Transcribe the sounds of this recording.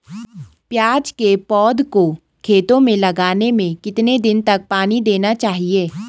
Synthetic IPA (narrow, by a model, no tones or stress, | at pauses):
pjaːd͡ʒkepɔːd̪ko | kʰeːt̪õmẽlɐɡaːnemẽkɪt̪ned̪ɪnt̪ɐk̚paːnid̪eːnat͡ʃaːɦieː